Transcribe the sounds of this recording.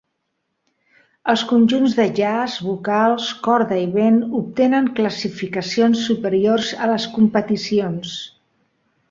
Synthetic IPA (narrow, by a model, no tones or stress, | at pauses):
əlˠskunʲʒunzðəʒazβukalˠskɔɾðəiβenup̚t̪enəŋkləsifikəsionsːupəɾiorzələskumpət̪isions